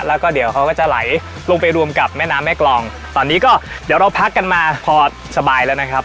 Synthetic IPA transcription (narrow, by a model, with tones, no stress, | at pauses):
lɛː˦˥wkɔː˥˩di˩˦əwkʰa˦˥wkɔː˥˩t͡ɕa˨˩la̰˩˦j | lo˧ŋpa˧jɾu˧əmka˨˩p̚mɛː˥˩naː˦˥mɛː˥˩klɔː˧ŋ | t̪ɔː˧nːiː˦˥kɔː˥˩di˩˦wɾa˧wpʰa˦˥kːa˧nmaː˧pʰɔː˧ | sa˧baː˧jlɛː˦˥wna˦˥kʰɾa˦˥p̚